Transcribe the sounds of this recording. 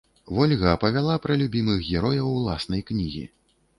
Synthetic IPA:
vɔlʲɣɐpɐvʲalˠapɾɐlʲubʲimɨɣɣʲɛɾɔjɐwlˠasnɐjknʲiɣʲḭ

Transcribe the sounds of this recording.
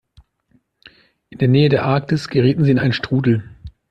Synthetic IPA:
ʔɪndeːɐneːədeːɐʔaɐk̚tɪsɡ̥əʁiːtn̩ziːɪnʔaɪənʃtʁ̥uːdl̩

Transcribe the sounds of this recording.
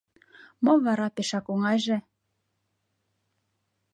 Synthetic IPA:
mɤ̆βɑɾɑpeʃɑkoŋɑjʒĕ

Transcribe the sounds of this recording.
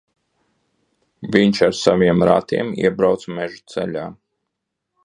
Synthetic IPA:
vʲiɲʃaɾsaviɛmɾa̰t̪iɛmḭɛbɾawt̪smɛʒut̪sɛ̰ʎʲaː

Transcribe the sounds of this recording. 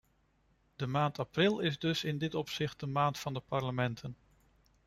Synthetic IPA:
d̥əmaːntɑprɪlˠɪzdɵsɪndɪtɔpsɪχt̚dəmaːntfɑndəpɑɹləmɛntʰən

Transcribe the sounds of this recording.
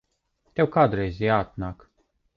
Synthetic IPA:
t̪ewkad̪ɾezʲiat̪̚nak

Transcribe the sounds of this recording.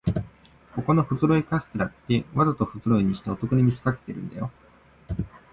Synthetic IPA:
ko̞ko̞no̞ɸɯ̟zɨɾo̞ikasɨ̥t̪eɾat̪ːe̞βazat̪o̞ɸɯ̟zɨɾo̞iɲ̟iɕi̥t̪eo̞t̪o̞kɯ̟ɲ̟imʲisi̥kake̞̥t̪e̞ɾɯ̟̃nd̪ajo̞

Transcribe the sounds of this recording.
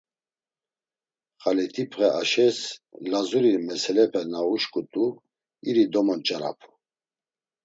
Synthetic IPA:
χalit̪ʰipʰχɛʔaʃɛslazuɾimɛsɛlɛpʰɛnauʃkʼut̪ʼu | iɾid̪ɔmɔnt͡ʃʼaɾa̰pʰu̥

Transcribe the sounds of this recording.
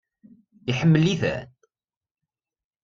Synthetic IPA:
iħəmːəlːiθæ̰n

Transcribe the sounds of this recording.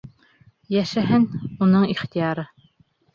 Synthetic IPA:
jæʃæɦɘnunɤɴiχt̪ijɑɾɤ

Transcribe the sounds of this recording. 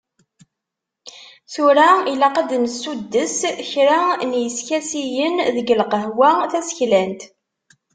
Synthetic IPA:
θuɾæilæqad̪msːud̪ːəsçɾanjəskæsijənðəɡəlqəɦwæθæsə̥çlænt̪

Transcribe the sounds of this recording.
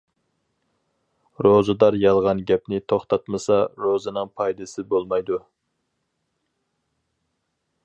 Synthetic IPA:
ɾozɨd̪ɑɾjɑlˠʁɑnɡʲɛpnɪt̪ʰoχt̪ʰɑt̪mɨsɑɾozɨnɨŋpʰɑjd̪ɨsɪbolˠmɑjd̪u

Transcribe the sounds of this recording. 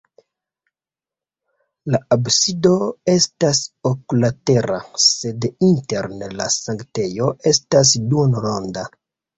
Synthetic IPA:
laabsido̞e̞stasokulate̞ɾa̰se̞dinte̞ɾnla̰saŋkte̞jo̞ʔe̞stas̬duonɾonda

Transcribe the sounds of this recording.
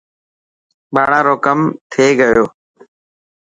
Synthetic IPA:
ɓaːɽaːɾoːkəmt̪ʰeːɡəjoː

